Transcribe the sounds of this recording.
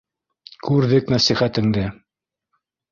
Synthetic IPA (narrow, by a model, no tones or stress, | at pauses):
kʉɾðɘknæsiχæt̪ɘ̆ŋd̪ɘ